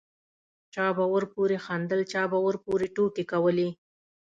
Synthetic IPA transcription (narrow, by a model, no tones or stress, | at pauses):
t͡ʃɑbawəɾpoɾexɑnd̪əlt͡ʃɑbawəɾpoɾeʈokekawəle